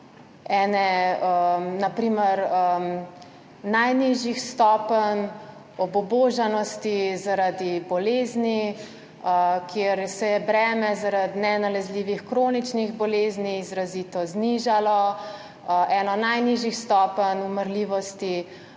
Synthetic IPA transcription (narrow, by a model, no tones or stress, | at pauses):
ɛːnɛənapɾiːməɾə | najniʒixst̪ɔːpən | ɔbɔboʒanɔst̪izaɾad̪ibɔleːzni | kʰjeɾsɛjɛbɾɛːmɛzaɾad̪nɛnalɛzliːʋixkɾoːnit͡ʃniɣbɔleːzniːzɾazit̪ɔzniʒalɔ | ɛnɔnajniʒixst̪ɔːpənuməɾliʋɔst̪i